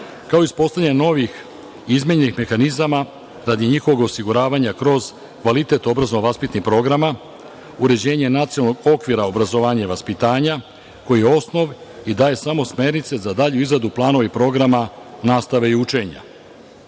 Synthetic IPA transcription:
kaoispo̞st̪aɲeno̞ʋix | izmeɲenixme̞xanizama | ɾad̪iɲixo̞ʋo̞ɡo̞siɡuɾaːʋaɲakɾo̞z | kʋalit̪e̞t̪o̞bɾaznoʋaspit̪nixpɾo̞ɡɾama | uɾe̞d͡ʑe̞ːɲe̞nat̪siolˠno̞ɡo̞kʋiɾaobɾazo̞ʋaːɲaiʋaspit̪aːɲa | ko̞jijeo̞sno̞ʋid̪aːje̞samo̞sme̞ɾnit̪se̞zad̪aʎuizɾad̪uplˠaːno̞ʋepɾo̞ɡɾamanaːst̪aʋe̞iut͡ʃe̞ɲa̰

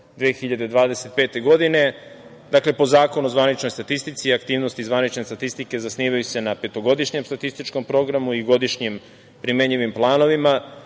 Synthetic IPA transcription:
d̪ʋeːxiʎad̪e̞d̪ʋaːd̪e̞se̞t̪̚pe̞ːt̪e̞ɡo̞d̪ine̞ | d̪akle̞po̞zaːko̞nuzʋanit͡ʃno̞jst̪at̪ist̪it̪siakt̪iːʋnost̪izʋanit͡ʃne̞st̪at̪ist̪ike̞zasniːʋajuse̞nape̞t̪o̞ɡo̞d̪iʃɲemst̪at̪ist̪it͡ʃko̞mpɾo̞ɡɾamuiɡo̞d̪iʃɲem | pɾime̞ɲiʋimplˠaːno̞ʋima

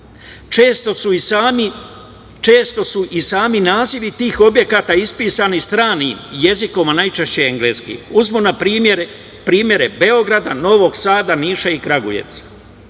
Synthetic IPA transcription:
t͡ʃeːst̪osuisami | t͡ʃe̞ːst̪o̞suʔisaːminaːziʋit̪iːxo̞bje̞kaːt̪aispiːsanist̪ɾaːniːmje̞ziko̞manajt͡ʃeʃt͡ɕeeŋɡleːskḭːuzmunapɾimeɾ | pɾiːmje̞ɾebe̞o̞ɡɾad̪ano̞ʋo̞ɡsaːd̪aniːʃaikɾaɡṵjḛt̪s

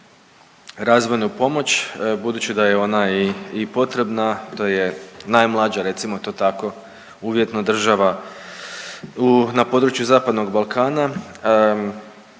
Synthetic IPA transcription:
ɾazʋo̞jnupo̞mo̞t͡ɕbud̪uːt͡ɕid̪ajeo̞naiːpo̞t̪ɾe̞bnat̪oje̞najmlˠad͡ʑaɾe̞t̪simo̞t̪o̞ːt̪ako̞ | uːʋje̞t̪nod̪r̩ʒaʋa | unapo̞d̪ɾut͡ʃjuzaːpad̪no̞ɡbalˠkʰaːna

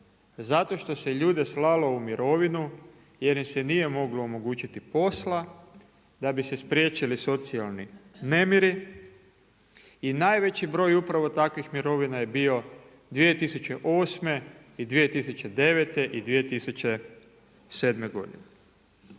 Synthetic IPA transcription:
zat̪o̞ʃt̪o̞seʎuːd̪eslalo̞umiɾo̞ʋinu | jeɾisenije̞mo̞ɡloːmo̞ɡuːt͡ɕit̪ipo̞sla | d̪abise̞spɾjet͡ɕiliso̞t̪sialnine̞miɾi | inajʋe̞t͡ɕibɾo̞ːjupɾaʋo̞t̪akʋixmiɾo̞ʋinajebio̞ | d̪ʋie̞t̪isut͡ɕe̞ʔo̞ːsme̞ | id̪ʋijet̪isut͡ɕe̞d̪e̞ʋet̪e̞ʔid̪ʋije̞t̪isut͡ɕe | se̞d̪me̞ɡo̞̰d̪ḭne

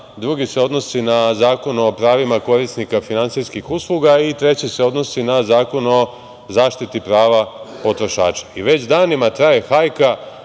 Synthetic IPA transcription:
d̪ɾuɡise̞o̞d̪no̞sinazaːko̞no̞pɾaːʋimako̞ɾisnikafinant̪sijskixuslˠuɡait̪ɾe̞t͡ɕise̞o̞d̪no̞sinazaːko̞no̞ | zaːʃt̪it̪ipɾaːʋapo̞t̪ɾo̞ʃa̰ːt͡ʃḁiʋe̞t͡ɕd̪aːnimat̪ɾaje̞xajka

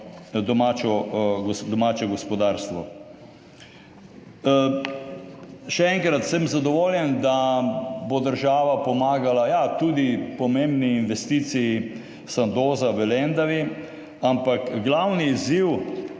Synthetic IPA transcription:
d̪ɔmaːt͡ʃɔɡɔd̪ɔmaːt͡ʃɛɡɔspɔd̪aːɾst̪ʋɔ | ʃɛɛŋkɾat̪sɛmzad̪ɔʋoːljɛnd̪abod̪əɾʒaːʋapɔmaːɡalajat̪uːd̪ipɔmẽmbniːnʋɛst̪iːt̪siji | sand̪oːzaʋəlɛnd̪aʋi | ampakɡlawniːziw

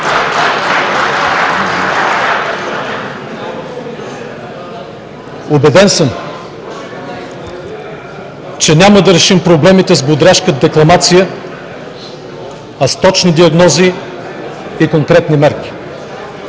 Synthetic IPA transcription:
obɛd̪ɛnsəm | t͡ʃɛnʲaməd̪ɐɾɛʃimpɾoblɛmit̪ɛzbod̪ɾaʃkəd̪ɛklˠɐmat̪sijə | ɐst̪ɔt͡ʃnid̪iɐɡnɔzi | koŋkɾɛt̪nimɛɾkʲi̥

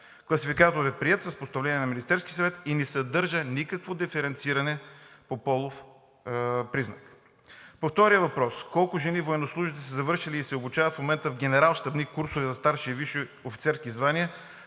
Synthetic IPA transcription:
klˠɐsifikat̪oɾɛpɾiɛt̪sɐspost̪ɐvlɛnʲiɛnɐminist̪ɛɾskʲisɐvɛt̪inɛsɐd̪ɤɾʒənikəkvod̪ifɛɾɛnt̪siɾɐnɛpopɔlˠof | pɾiznɐk | poft̪ɔɾijəvɐpɾɔskɔlˠkʊʒɛnivoɛnoslˠuʒit̪ɛsɛzɐvɤɾʃiliːsɛobut͡ʃavɐt̪fmomɛnt̪əvɡʲɛnɛɾalˠʃt̪ɐbnikːuɾsʊvizɐst̪aɾʃiviʃoofi̥t̪sɛɾskʲizvaniə

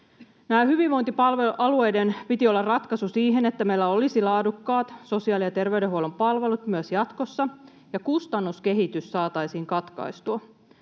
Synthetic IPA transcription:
næːhyʋiʋʋo̞jnt̪ipɑlʋeuʔɑlue̞jdenpit̪io̞lːɑrrɑt̪kɑsusiːɦenet̪ːæmeilːæo̞lisilɑːdukːɑːt̪so̞siɑːlijɑt̪e̞rʋeydeɦuolompɑlʋe̞lut̪myøsjɑt̪ko̞sːɑ | jɑkust̪ɑnːuske̞ɦit̪ysːɑːt̪ɑjsiːŋkɑt̪kɑ̰jst̪uɑ

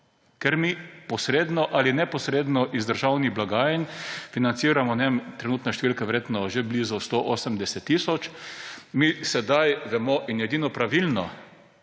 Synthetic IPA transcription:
kɛɾmipɔsɾeːd̪nɔʔalinɛpɔsɾed̪nɔʔizd̪əɾʒawniɣblaɡaːjɛnfinant̪siːɾamɔnɛmt̪ɾɛnuːt̪nɛʃt̪ɛʋilkɛʋɛɾjeːt̪nɔʒebliːzust̪oʔoːsəmd̪ɛsɛt̪ːiːsɔt͡ʃmisɛd̪ajʋɛmɔʔinjɛd̪iːnɔpɾaʋilnɔ

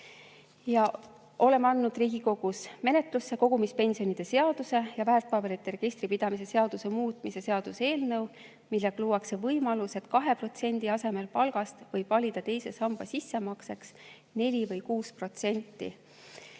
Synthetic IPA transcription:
jɑ | ʔo̞le̞mɑnːud̪̥riːɡ̥iko̞ɡ̥usme̞ne̞t̪ˑlusːe̞ko̞ɡ̥umispe̞nsio̞nid̪̥e̞se̞ɑd̪̥use̞jɑvæːrt̪ˑpɑbe̞ɾit̪ːˑeɾe̞ɡ̥ist̪ripid̪̥ɑmis̬e̞se̞ɑd̪̥use̞muːt̪ˑmise̞se̞ɑd̪̥use̞ːlnɤ̞w | milːeɡ̥ɑluwɑkse̞vɤjmɑluse̞t̪kɑɦe̞pro̞t̪se̞nʲd̪̥iɑse̞me̞lpɑlɡ̥ɑst̪vɤjvɑlʲid̪̥ɑt̪e̞jse̞sɑmb̥ɑsisːe̞mɑkse̞ks | ne̞lʲivɤjkuːspro̞t̪se̞nʲt̪ːḭ

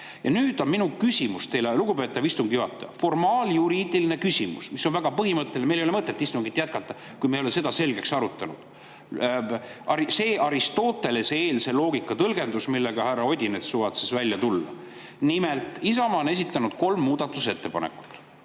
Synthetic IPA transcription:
jɑnyːd̪̥o̞nminukysʲimust̪e̞jleluɡ̥upe̞t̪ːˑɑvist̪uŋɡijuhɑt̪ːˑɑjɑfo̞rmɑːljuɾiːd̪iline̞kysʲimṵsmisːo̞nvæɡ̥ɑpɤɦimɤt̪ːelmelejolemɤt̪ːˑet̪ːist̪uŋɡit̪ːˑjæt̪̚kɑt̪ːˑɑ | kujmejoese̞d̪ɑse̞lɡe̞ksɑɾut̪ːˑɑnṵd̪̥ | ɑɾise̞ːʔɑɾist̪o̞ːt̪ːˑe̞leseːlse̞lo̞ːɡ̥ikːˑɑt̪ɤlɡe̞nd̪usmilːe̞ɡ̥ɑhærːɑo̞d̪ʲinet̪suːvɑt̪sisvælʲjɑt̪ulːɑ̰ | nimelt̪ˑisɑmɑone̞s̬it̪ːˑɑnud̪̥̚ko̞lmːuːd̪̥ɑt̪ːˑuse̞t̪ːe̞pɑnḛkːˑu̥t̪ːˑ

